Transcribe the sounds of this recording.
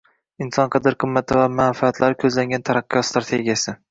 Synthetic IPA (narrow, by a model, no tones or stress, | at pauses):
ɪnsɒnqʰɨd̪ɪɾqʰɨmːat̪ʰɪvamanfaːt̪laɾɪkʲʰɵzlaŋɡʲant̪ʰaɾaqːɨjɒst̪ɾat̪ʰe̞ɡʲijasɪ